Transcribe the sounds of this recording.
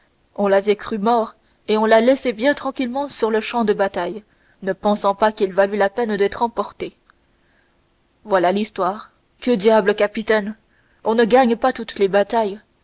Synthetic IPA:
ɔ̃lavɛkχymɔʁ | eɔ̃lalɛsebjɛ̃t̪χɑ̃kʲilmɑ̃syʁləʃɑ̃d̪əbat̪aj | nəpɑ̃sɑ̃pakilvalylapɛnd̪ɛt̪χɑ̃pɔʁt̪e | vwalalist̪waːʁ | kəd̪jabləkapit̪ɛn | ɔ̃nəɡaɲpat̪ut̪lebat̪aj

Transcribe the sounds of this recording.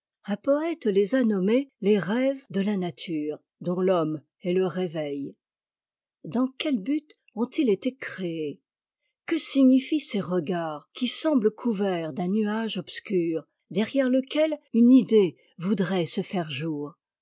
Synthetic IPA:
ɛ̃pɔɛt̪lezanɔmeleʁɛvd̪əlanat̪ʰyːʁ | d̪ɔ̃lɔm | ɛləʁevɛj | d̪ɑ̃kʲɛlbyt̪ | ɔ̃t̪ilet̪ekχee | kəsiɲifiseʁəɡaʁkʲisɑ̃bləkʰuvɛʁd̪ɛ̃nyaʒɔpskʲyːʁ | d̪ɛʁjɛʁləkʲɛlynid̪e | vud̪ʁɛsəfɛʁʒuːʁ

